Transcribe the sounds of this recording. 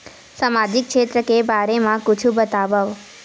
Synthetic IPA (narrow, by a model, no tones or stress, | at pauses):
samad͡ʒikʃet̪ɾəkebaɾemãkʊt͡ʃʰubət̪aʋəʋ